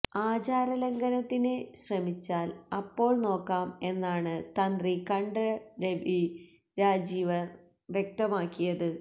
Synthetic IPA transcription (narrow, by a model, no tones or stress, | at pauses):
aːd͡ʑaːɾɐlɐŋɡɐnɐt̪ːineɕrɐmit͡ɕːaːlɐpːo̞ːɭno̞ːkːaːme̞nːaːɳɨt̪ɐnd̪rikɐɳɖɐɾeʋi | ɾaːd͡ʑiːʋɐr | ʋjek̚t̪ɐmaːkːijɐðɨ